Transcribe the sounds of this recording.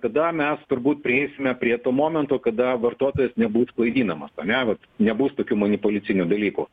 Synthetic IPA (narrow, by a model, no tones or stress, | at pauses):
kɐd̪ɐmʲɛst̪ʊɾbuːt̪̚pʲɾʲɪeɪsʲɪmʲɛpʲɾʲiɛt̪oːmoːmʲɛnt̪oːkɐd̪ɐʋɐrt̪uɔt̪oːjɛsnʲɛbuːsklˠɐɪd̪ʲiːnɐmɐsɐnʲɛʋɐt̪nʲɛbuːst̪oːkʲuːmɐnʲɪpʊlʲɪt͡s̪ʲɪnʲuːd̪ɐlʲiːkṵ